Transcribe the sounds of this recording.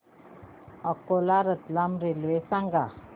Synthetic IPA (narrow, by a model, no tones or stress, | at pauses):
ʌkolaɾət̪lamɾeluesaŋɡa